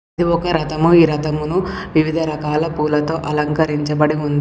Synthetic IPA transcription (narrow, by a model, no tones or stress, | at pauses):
ɐd̪iɔkɐɾɐt̪ɐmuiːɾɐt̪ɐmunuʋiʋid̪ʱɐɾɐkaːlɐpuːlɐt̪o̞ːʔɐlɐŋkɐɾiɲt͡ʃɐbɐɽiund̪i